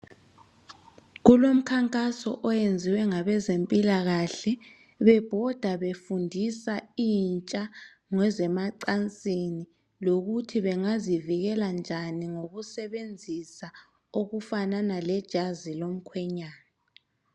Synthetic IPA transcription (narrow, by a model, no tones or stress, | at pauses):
ɣulom̩kʰaŋkʼasɔ̰ʔɔjend͡zʱiwɛŋaβɛzempʼilaɣaɬɛ | βɛb̥ʱɔd̥ʱaβefundʱisaiːnt͡ʃʼa | ŋwɛzɛmaǀant͡sʼini | loɣutʰiβɛŋaziviɣɛland͡ʒʱaniŋoɣusɛβend͡zʱisa | oɣufananalɛd̥ʒ̥ʱazilom̩kʰwɛɲaːna